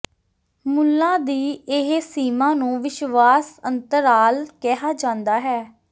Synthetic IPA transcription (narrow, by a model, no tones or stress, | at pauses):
mʊlːãːd̪iːɪɦsiːmãːnũːʋɪʃʋaːsənt̪əɾaːlkɛɦaːd͡ʒãːnd̪aːɦɛː